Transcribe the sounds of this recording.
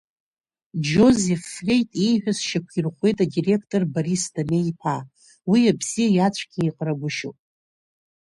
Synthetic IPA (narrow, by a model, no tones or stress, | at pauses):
d͡ʒo̞zefːlʲe̞jtʼejħʷᶣasʃakʷʰirχʷe̞jtʼadire̞kʰtʼorbaɾisdameipʰa | wiabz̥ijajat͡ʃʷʰʼɡʲiiqʼraɡʷʊʃo̰pʼ